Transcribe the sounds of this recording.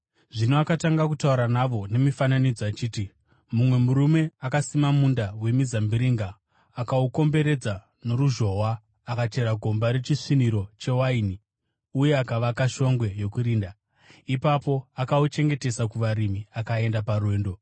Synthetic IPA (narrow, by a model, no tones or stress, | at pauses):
ʐinoakataŋɡakutauɾanaʋo̞ne̞mifananid͡zoat͡ʃiːti | mumwe̞muɾume̞akasimamundawe̞mizambiɾiŋɡaː | kauko̞mbe̞ɾe̞d͡za | no̞ɾuʒo̞ɦwaː | kat͡ʃe̞ɾaɡʱo̞mbaɾe̞t͡ʃiʂiniɾo̞t͡ʃe̞waini | uje̞akaʋakaʃo̞ŋɡwe̞jo̞kuɾiːnda | ipapo̞akaut͡ʃe̞ŋɡe̞te̞sakuʋaɾimiakae̞ndaparwe̞ːndo̞